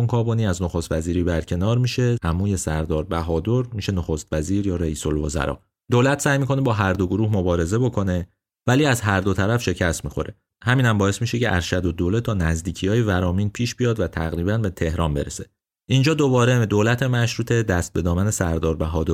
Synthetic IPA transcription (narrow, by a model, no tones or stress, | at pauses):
oŋkʰɒːboniːæznoxost̪væziːɾiːbæɾcʰe̞nɒːɾmiːʃe̞hæmuːje̞sæɾd̪ɒːɾbæɦɒːd̪oɾmiːʃe̞noxost̪væziːɾjɒːɾeiːso̞lvo̰zæ̰ɾɒ̰ː | d̪̥oːlæt̪ʰsæːjmiːkʰo̞nebɒːɦæɾd̪oɡoɾuːhmo̞bɒːɾe̞ze̞bo̞kʰo̞ne̞ | væliːæzɦæɾd̪o̞t̪ʰæɾæfʃe̞cʰæst̪miːxo̞̰ɾe | hæmiːnæmbɒːe̞smiːʃe̞cʰe̞ʔæɾʃæd̪o̞d̪olet̪ʰɒːnæzd̪iːcʰijɒːjevæɾɒːmiːnpʰiːʃb̥ijɒːd̪væt̪ʰæɣɾiːbænbe̞t̪ʰe̞hɾɒːnbe̞̰ɾese̞ | ʔind͡ʒɒːd̪o̞bɒːɾed̪oːlæt̪ʰe̞mæʃɾuːt̪ʰe̞d̪æst̪̚be̞d̪ɒːmæne̞sæɾd̪ɒːɾbæɦɒːd̪oɾ